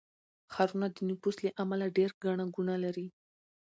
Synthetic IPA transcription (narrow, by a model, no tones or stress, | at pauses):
xaɾunad̪ənupuslaʔamalaɖeɾɡaɳaɡuɳalaɾi